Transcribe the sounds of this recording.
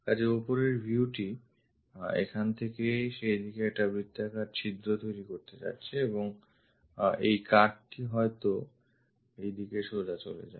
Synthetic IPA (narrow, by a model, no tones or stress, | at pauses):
kad͡ʑiopoɾeɾbʱuuʈi | ḛkʰant̪ʰekeʃejd̪ikeɛk̚ʈabɾid̪ːakaɖ̚t͡ɕʰid̪ɾot̪ojɾikoɾt̪et͡ɕa̰tːɕʰeeboŋ | ejkaʈʈiɦɔet̪o | ejd̪ikeʃod͡ʑat͡ɕo̰lḛd͡ʑa̰e